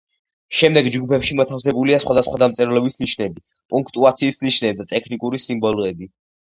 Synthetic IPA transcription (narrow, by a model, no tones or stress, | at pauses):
ʃɛmd̪ɛɡd͡ʒɡupʰɛpʃimɔt̪ʰafsɛbuliasχwad̪asχwad̪amt̪sʼɛɾlɔbisniʃnɛbi | pʼuŋkʰt̪ʼuat̪sʰiːsniʃnɛb̚d̪at̪ʼɛkʰnikʼuɾisimbɔlˠɔɛbi